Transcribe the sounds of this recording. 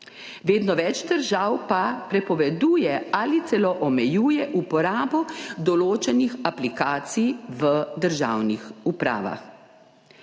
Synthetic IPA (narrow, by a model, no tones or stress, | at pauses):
ʋeːd̪nɔʋɛt͡ʃd̪əɾʒawpapɾɛpɔʋɛd̪uːjɛaːlit̪sɛlɔʔɔmɛjuːjɛʔupɔɾaːbɔd̪ɔloːt͡ʃɛnixaplikaːt̪sijʋəd̪əɾʒa̰ːwnixupɾa̰ːʋa̰x